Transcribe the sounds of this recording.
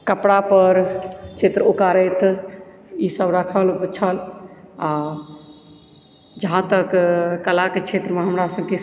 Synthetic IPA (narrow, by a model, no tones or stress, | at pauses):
kəpɽapəɾt͡ʃʰet̪ɾəokaɾət̪ | isəbɾəkʰəlut͡ʃʰəla | d͡ʒəɦãt̪əkkəlaket͡ʃʰet̪ɾəmeɦəmɾasəb̚ke